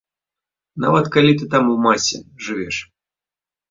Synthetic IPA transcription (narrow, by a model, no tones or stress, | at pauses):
na̰vɐt̪kalʲit̪̬ɨt̪amuwmasʲɛ̰ʐɨvʲɛʂ